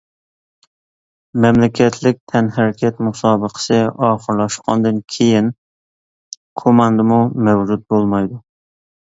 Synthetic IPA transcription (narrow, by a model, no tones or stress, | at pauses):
mɛmlɪkʲʰɛt̪ʰlɪk̚ʲt̪ʰɛnhæɾkʲʰɛt̪musɑːbəqʰə̥sɨɑːχəɾlˠɑʃqʰɑ̰nd̪ɨnkʲʰejɪn | kʰomɑnd̪ɨmumæwd͡ʒut̪̚bolˠmɑjd̪ʊ